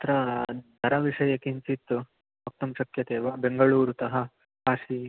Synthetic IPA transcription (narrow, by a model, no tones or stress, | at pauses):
t̪ɾɐd̪ʱɐɾɐʋiʂɐjɐkint͡ʃit̪ːu | uk̚t̪ɐmʃɐkjɐt̪eːʋɐbeŋɡɐɭuːɾut̪ɐɦɐ | aːʂi